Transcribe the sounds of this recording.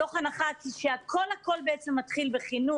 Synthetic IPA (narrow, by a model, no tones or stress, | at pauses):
oχanaχat͡sʃeakʰo̞lhako̞lbeʔet͡semːat̪χilbeχinu